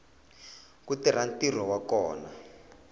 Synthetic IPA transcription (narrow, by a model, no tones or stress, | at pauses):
kutir̤antir̤ɔwakɔːna